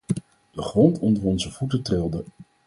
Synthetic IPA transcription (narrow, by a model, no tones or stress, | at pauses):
d̥əχrɔntɔndərɔnzəv̥utətrɪlˠdə